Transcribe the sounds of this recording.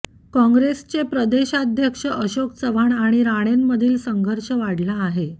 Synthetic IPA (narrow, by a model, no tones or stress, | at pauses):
kɔ̃ŋɡɾest͡ɕepɾəd̪eɕad̪ʱjəkʂəʔəɕoksəʋaɳaɽ̃iɾaɽ̃emːəd̪ʱiːlsəŋɡʱəɾʂəʋaɽlaːɦe